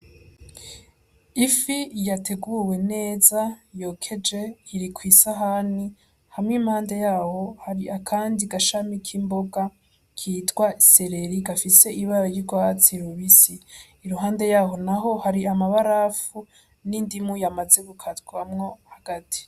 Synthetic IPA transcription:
ifijatʰe̞ɡuwe̞ne̞ːzajo̞ːkʰe̞d͡ʒe̞iɾikwiːsaɦani | hamŋimhaːnde̞jaːho̞haɾiakʰaːndiɡaʃamikʰimbo̞ɡa | kʰiːtɡwaise̞ɾe̞ɾiɡafise̞ʔiβaɾajiɡwat͡siɾoβisiː | ɾuɦaːnde̞jaːɦo̞naɦo̞haɾiamaβaɾafu | nindimujamaze̞ɡukʰatɡuwamŋo̞haɡ̥atʰi̥

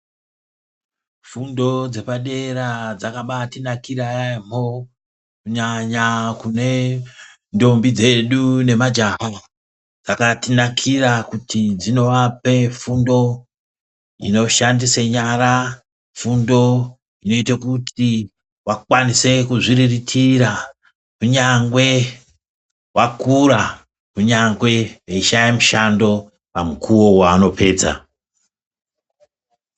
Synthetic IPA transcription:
fundo̞d͡ze̞paɗe̞ɾad͡zakaɓatinakiɾajamo̞ | kuɲaɲakune̞ | ndo̞mbid͡ze̞ɗune̞mad͡ʒam̤o | d͡zakatinakʰirakutʰid͡zino̞ʋape̞fundo̞ | ḭno̞ʃandiseɲaɾa | fundo̞ | ino̞itakutʰi | wakwanise̞kuʐiɾiritʰiɾa | kuɲaŋɡwe̞ | wʔakuɾa | kuɲaŋɡwe̞weiʃajemuʃando̞ | pamukʰuwo̞waːno̞pe̞ːd͡za̰

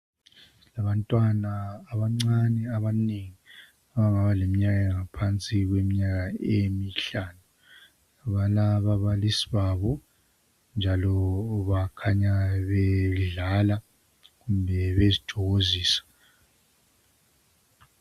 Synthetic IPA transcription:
laβantʼwanaːβaŋ͡ǀanɛaβaneŋi | aβaŋaβalemiɲaɣaŋapʰant͡sʼiɣwemiɲaɣaemiɬaːnu | aβalaβaβalisiβaːβɔ | nd͡ʒʱalɔβakʰaɲaβɛɮala | ɣumbʱɛβezitʰɔɣoziːsḁ

